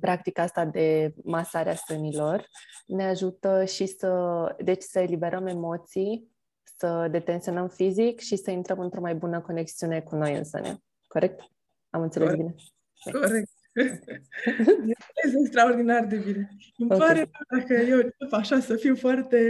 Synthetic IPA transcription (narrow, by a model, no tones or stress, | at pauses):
pɾak̚t̪ikaast̪ad̪e̞masaɾeasənilo̞rne̞aʒut̪əʃisəd̪e̞t͡ʃʲsəe̞libe̞ɾʔəme̞mo̞t̪sij | səd̪e̞t̪e̞nsio̞nəmfizikʃisəint̪ɾəmɨnt̪ɾo̞majbunəko̞ne̞ksiune̞kuno̞jɨ̰nsə̰nʲj̰a̰ | ko̞ɾe̞k̚t̪ | amɨnt̪selesbine | mḛoɾek̚t̪ | ɨelesekst̪ɾaord̪inard̪e̞bine | ɨmopaɾead̪akəjewopaʃasəfiwfoart̪e̞